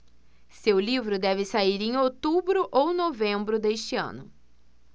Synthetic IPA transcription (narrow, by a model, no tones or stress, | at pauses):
sewlivɾʊd̪ɛvɪsaiɾẽj̃ot̪ubɾʊʔownovẽmbɾʊd̪eʃt͡ʃɪɐ̰̃nʊ